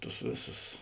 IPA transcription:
ˈtʊs ˈʋʲeːˌsʊs

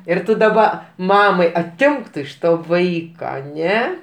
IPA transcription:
ɪr ˈtʊ dɐˈbɐ ˈmɑːmɐɪ ɐˈtʲɪmk ɪʃ toː ˈʋɐɪkɐ ɐˈnʲɛ

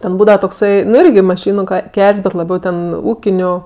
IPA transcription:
ˈtʲɛn ˈbuːdɐʋɐ toːkˈsɐɪ ˈnʊ ˈɪrʲɡʲɪ mɐˈʃʲiːnʊ ˈkʲɛlʲsʲ bʲɛt lˠɐˈbʲɛʊ tʲɛn ˈuːkʲɪnʲʊ

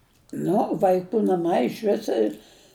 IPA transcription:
ˈnʊ ʋɐɪˈkuː nɐˈmɐɪ ɪʃʲˈʋʲɪs ɪ

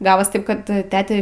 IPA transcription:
ˈɡɑːʋoːs ˈtɐɪp kɐt tʲɛtʲɛ

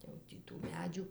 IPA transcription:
jɛʊ ˈtʲiː tuː ˈmʲæːd͡ʒʲuː

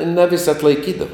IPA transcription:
nɐ ʋʲɪsʲ ɐtlˠɐɪˈkʲiːdɐʋɐ

